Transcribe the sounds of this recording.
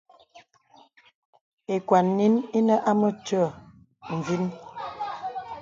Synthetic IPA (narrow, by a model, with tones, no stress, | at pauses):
e˨kwa˨nːi˦ne˦nə˦ʔa˦mə˦tə˦˨ | ɱ̩˨vi˦n